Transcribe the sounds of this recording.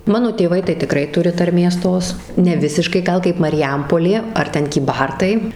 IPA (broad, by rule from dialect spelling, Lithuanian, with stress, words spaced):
ˈmɑːnoː tʲeːˈʋɐɪ tɐɪ tʲɪˈkrɐɪ ˈtʊrʲɪ tɐrʲˈmʲeːs ˈtoːs nʲɛˈʋʲɪsʲɪʃkɐɪ ˈɡɐlˠ kɐɪp mɐrʲɪˈjɛmpoːlʲeː ɐr ˈtʲɛn kʲiːˈbɐrtɐɪ